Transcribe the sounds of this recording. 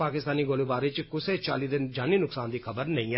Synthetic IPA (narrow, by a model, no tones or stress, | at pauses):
aːkɪst̪aːniːɡoːlebaːɾɪt͡ʃkʊset͡ʃa̰ːlid̪ɪnd͡ʒaːniːnʊksaːnd̪iːkʰəbəɾnəĩːɛ